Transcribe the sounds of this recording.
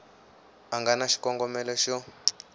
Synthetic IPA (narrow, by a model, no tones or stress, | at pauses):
aŋɡanaʃi̥kɔŋɡɔmɛlɛʃɔ